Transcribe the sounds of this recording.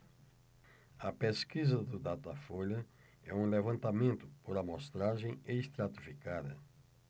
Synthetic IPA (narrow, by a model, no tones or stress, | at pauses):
ɐpeskizɐd̪ʊd̪at̪afoʎɐ | ɛũlevɐ̃nt̪amẽnt̪ʊ̥poɾɐmost̪ɾaʒẽj̃eist̪ɾat̪i̥fikad̪ɐ̰